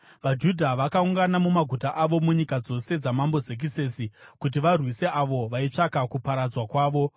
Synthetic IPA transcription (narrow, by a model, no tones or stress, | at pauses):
ʋad͡ʒudʱaʋakauŋɡanamumaɡʱutaʔaʋo̞muɲikad͡zo̞se̞d͡zamambo̞zek̬ise̞sikut̬iʋarwise̞aʋo̞ʋait͡ʂakakupaɾad͡zwakwaːʋo̞